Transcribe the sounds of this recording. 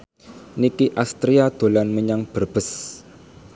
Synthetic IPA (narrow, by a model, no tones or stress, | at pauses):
nikiʔast̪ɾiad̪̥o̤lanməɲaŋb̥ərb̥ə̤s